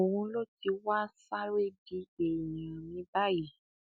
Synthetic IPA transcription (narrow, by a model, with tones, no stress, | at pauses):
o˨wũ˧lo˦ti˧wa˦sa˦ɾe˦di˧˦e˨jã˨mĩ˧˦ba˦˨ji˦˨